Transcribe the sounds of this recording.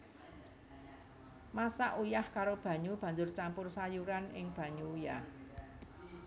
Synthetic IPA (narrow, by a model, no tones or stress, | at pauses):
masaʔujahkaɾob̥ä̤ɲub̥ä̤ɲd͡ʒʊrt͡ʃampʊrsajuɾanʔɪ̰ŋb̥ä̤ɲuujah